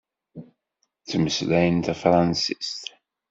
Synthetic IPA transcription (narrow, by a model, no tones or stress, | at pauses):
t͡sːəməslæjənt̪æfɾˤɑnsist̪